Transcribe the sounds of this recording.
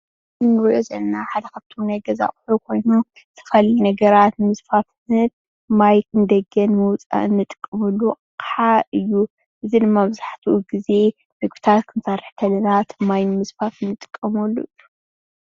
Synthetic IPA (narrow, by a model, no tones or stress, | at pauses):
ɨnːɨɾɨjozɐlnaħad̪ɐkʰɐb̚t̪ʰomnajɡɐza̰χʼħukʰo̞jnu | tʰɨ̥fɐlinɐɡɐɾat̪nɨmɨsfafhɨn | majɨnɨd̪ɐɡɐnmɨwt͡sʼa̰ɨnːɨt̪ʼɨ̥kʼːɐmulːu | kʼħaɨjːu | ʔɨzid̪ɨmːabɨzaħt̪ʰuʔuɡize̞ | nɐɡut̪ʰat̪kʰɨnsarɨħk̪ʰɐlɐnat̪majnmɨsfafɨnːɨt̪ʼɨ̥kʼːɐmɐlːujːu